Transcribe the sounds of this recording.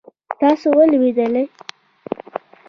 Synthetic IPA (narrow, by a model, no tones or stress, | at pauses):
t̪ɑsowəlwed̪əlaj